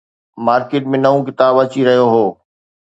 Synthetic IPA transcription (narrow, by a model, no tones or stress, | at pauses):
maːɾkeːʈ̚mẽnɐʋũkɪt̪aːbɐt͡ɕiɾɐɦijoɦoː